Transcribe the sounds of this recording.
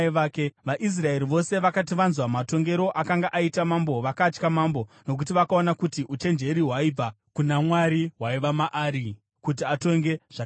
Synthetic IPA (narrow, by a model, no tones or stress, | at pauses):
ʋaːkeʋaʔis̬rae̞ɾiʋo̞se̞ʋakatiʋanzwamato̞ŋɡe̞ɾo̞ʔakaŋɡaʔaitamambo̞ʋakat͡ʃkamaːmbo̞no̞k̬utiʋakao̞nakutiʔut͡ʃe̞nd͡ʒe̞ɾiɦwaib͡va | kunamwaɾiɦwaiʋamaʔaːɾi | kutiato̞ŋɡe̞ʐ̥a